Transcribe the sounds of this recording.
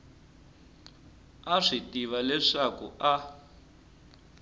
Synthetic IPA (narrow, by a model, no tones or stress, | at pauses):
aʂitiβalɛʂakṵʔa